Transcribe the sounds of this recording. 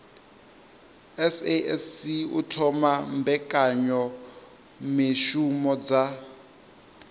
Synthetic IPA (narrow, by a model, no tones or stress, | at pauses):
ɛseɛsiṵtʰɔmambʱɛkʼaɲɔ | meʃumɔd͡za